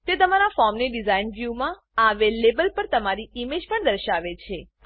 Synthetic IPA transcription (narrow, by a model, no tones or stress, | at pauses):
t̪et̪əmaɾafɔɾmneɖizainʋjumã | aʋelebəlpəɾt̪əmaɾiimed͡ʒpəɳd̪əɾʃaʋet͡ʃʰe